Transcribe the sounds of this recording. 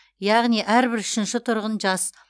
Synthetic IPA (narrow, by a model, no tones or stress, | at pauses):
jɑʁnijʔæɾbɪɾʏʃɪnʃɪt̪ʰʊɾʁənʒɑs